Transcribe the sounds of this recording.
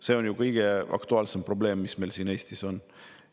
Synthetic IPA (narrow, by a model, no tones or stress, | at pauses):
se̞ːo̞njukɤjɡ̥e̞ʔɑ̰kt̪uɑːlsempro̞ble̞ːmːisme̞jlsiːne̞ːst̪iso̞n